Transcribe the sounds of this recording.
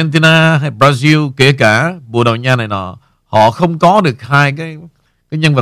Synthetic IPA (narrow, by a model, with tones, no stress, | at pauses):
ɛ˧nt̪i˧naː˧ɦaː˧jbɾaː˧zi˧lke˧˩kaː˧˩ɓṵ˨˧˨əɗə˨˩wɲaː˧na˨˩jnɔ̰˨˩ | hɔ̰˧˨xə˧wŋ͡mkɔ˨˦ɗɨ˨˩ək̚haː˧jkaː˨˦j | kaː˨˦jɲə˧nvə˨˩